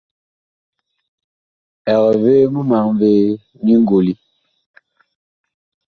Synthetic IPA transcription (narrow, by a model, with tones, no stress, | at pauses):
ɛ˨ɣɛ˨veː˦mu˦ma˨ŋveː˦ | ni˦ŋ˦ɡo˨li˦